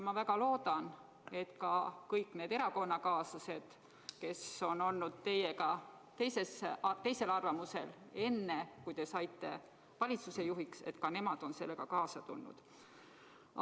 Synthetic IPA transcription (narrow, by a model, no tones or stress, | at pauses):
mɑvæɡ̥ɑlo̞ːd̪̥ɑn | e̞t̪kɑkɤjkːˑne̞ːd̪e̞ɾɑko̞nːɑkɑːsɑse̞d̪̥ | ke̞so̞no̞lnud̪̥̚t̪e̞jekɑ | t̪e̞jse̞set̪e̞jse̞lɑrvɑmuse̞̰le̞nːe̞kujt̪e̞sɑjt̪ːe̞̰ | vɑlʲit̪suse̞juɦikse̞̰t̪kɑne̞mɑd̪̥o̞nse̞lːe̞kɑkɑːsɑt̪ṵlːṵd̪̥